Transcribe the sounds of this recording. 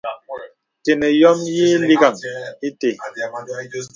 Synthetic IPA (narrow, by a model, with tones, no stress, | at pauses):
te˨ne˨jɔ˦mji˦li˦ɡa˨ŋi˦te˨